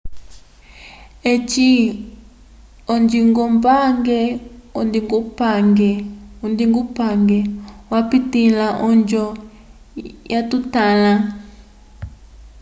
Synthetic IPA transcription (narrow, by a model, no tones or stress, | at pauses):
ɛt͡ʃi | ɔnd͡ʒiŋɡɔmbaŋɡɛɔndiŋɡupaŋɡɛundiŋɡupaŋɡɛwapitilaʔɔɲd͡ʒɔ | jatutala